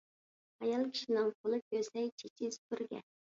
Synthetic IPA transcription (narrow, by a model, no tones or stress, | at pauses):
ɑjɑlˠkʲʰi̥ʃinɪŋqʰolˠɨp̚kʲʰøsɛjt͡ʃʰet͡ʃʲʰizt̪ʰyɾɡʲɛ̰n